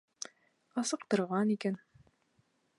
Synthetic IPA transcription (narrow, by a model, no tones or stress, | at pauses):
ɑsɤ̆qt̪ɤ̆ɾʁɑnikæn